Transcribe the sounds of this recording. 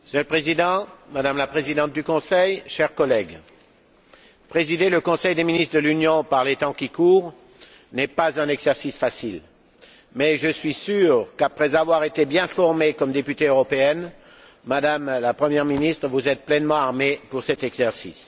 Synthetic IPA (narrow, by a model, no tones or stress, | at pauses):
sjølpχezid̪ɑ̃mad̪amlapχezid̪ɑ̃t̪̚d̪ykɔ̃sɛjʃɛʁkɔlɛɡ | pχezid̪eləkɔ̃sɛjd̪eminist̪ʁd̪əlynjɔ̃paʁlet̪ɑ̃kʲikuːʁ | nɛpazɛ̃nɛɡzɛʁsisfasil | mɛʒəsɥisyʁkapχɛzavwaʁet̪ebjɛ̃fɔʁmekɔmd̪epyt̪eøʁɔpeɛn | mad̪amlapχəmjɛʁminist̪χəvuzɛt̪̚plɛnmɑ̃aʁmepuʁsɛt̪ɛɡzɛʁsḭs